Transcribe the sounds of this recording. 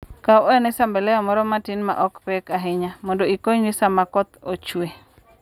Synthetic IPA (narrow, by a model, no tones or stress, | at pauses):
kaɔɛnɛsambɛlɛɔmɔɾɔmatɪnma̰ʔɔkpɛkaɦɪɲamɔndoikoɲnɪsamakɔt̪ot͡ʃwe